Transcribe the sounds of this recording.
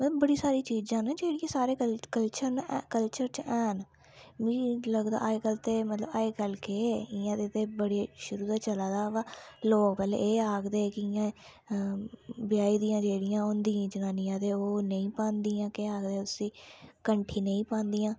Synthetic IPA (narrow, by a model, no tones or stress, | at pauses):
mət̪ləbːəɽiːsaːɾiːt͡ʃiːd͡ʒãːnaːd͡ʒeːɽɪjãːsaːɾeːkəlt͡ʃəɾnkəlt͡ʃəɾt͡ʃɛːn | ʋĩːləɡd̪a̰ːaekəlt̪eːmət̪ləbaːeːkəlkeːɪjãːt̪eːt̪eːbəɽʃʊɾuːd̪aːt͡ʃəlaːd̪aːʋaloːkpɛːlḛːeːaːɡd̪eːkɪjãː | bɪjaːiːd̪ijãːd͡ʒeːɽɪjãːɦõnd̪ijãːd͡ʒənaːnijãːt̪eːoːnə̃ĩːpãːnd̪iːãːkeaːɡd̪eːʊsĩːkəɳʈʰiːnə̃ĩːpãːnd̪iːãː